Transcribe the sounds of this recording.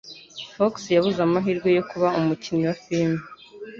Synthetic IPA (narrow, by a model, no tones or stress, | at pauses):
foksjaβuzamaɦiːɾɡwo̞jo̞kuβaumuciniwafilme